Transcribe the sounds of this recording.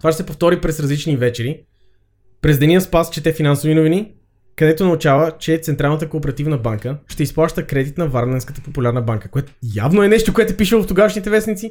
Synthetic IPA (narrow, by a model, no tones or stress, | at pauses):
t̪ovat͡ʃɛsɛpoft̪ɔɾipɾɛsɾɐzlit͡ʃnivɛt͡ʃɛɾi | pɾɛzd̪ɛniəspast͡ʃɛt̪ɛfinansovinʊvini | kɐd̪ɛt̪onɐut͡ʃavət͡ʃɛt̪sɛnt̪ɾalˠnət̪əkoːpɛɾɐt̪ivnəbaŋkəʃt̪ɛisplˠaʃt̪əkɾɛd̪it̪nɐvaɾnɛnskət̪ə̥populʲaɾnəbaŋkəkoɛt̪oja̰vnoɛnɛʃt̪okoɛt̪ɛpiʃəoft̪oɡavʃnit̪ɛvɛsnit̪si